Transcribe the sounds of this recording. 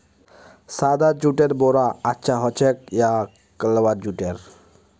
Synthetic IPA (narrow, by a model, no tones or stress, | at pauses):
sad̪ad͡ʒuʈeɾbɔɾaatːʃʰaɦɔt͡ʃʰek̚ja | kəlwad͡ʒuʈeɾ